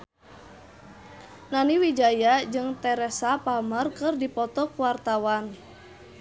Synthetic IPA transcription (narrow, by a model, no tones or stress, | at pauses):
naniwid͡ʒajad͡ʒɨŋt̪ɛɾɛsapamərkɨrdipɔt̪ɔkuwart̪awan